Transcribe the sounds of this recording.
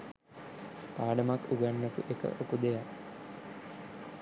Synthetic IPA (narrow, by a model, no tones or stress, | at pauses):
paːɖəmakuɡanːəpṵʔekə̰ʔokud̪ejak